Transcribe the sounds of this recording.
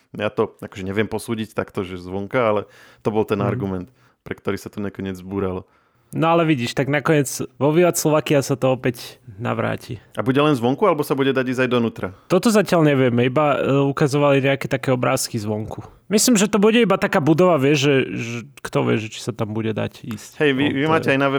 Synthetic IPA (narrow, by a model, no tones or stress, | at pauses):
jaːt̪ɔakɔʒɛɲɛʋɪɛmpɔsuːɟict̪akt̪ɔʒɛzʋɔŋkaalɛt̪ɔbɔlt̪ɛna̰ɾɡumɛnt̪ | pɾɛkt̪ɔɾisat̪ɔɲɛkɔɲɪɛd͡zzbuːɾalɔ | nɔalɛʋiɟiːʃt̪aɡnakɔɲɪɛd͡zʋɔʋiːat̪slɔʋaːkiasat̪ɔɔpɛcna̰ʋɾa̰ːcʰiabuɟɛlɛnzʋɔŋkualɛbɔsabuɟɛd̪aɟiːzajd̪ɔnuːt̪ɾat̪ɔt̪ɔzacɪalɲɛʋɪɛmɛibaukazɔʋaliɲɛakɛt̪akɛːɔbɾa̰ːskizʋɔŋku | mislimʒɛt̪ɔbuɟɛibat̪akaːbud̪ɔʋaʋɪɛʒʒɛʒɛkt̪ɔʋɪɛ̰ʒɛt͡ʃi̥sat̪ambuɟɛd̪a̰cḭːschɛjʋiʋimaːcɛajnaʋɛ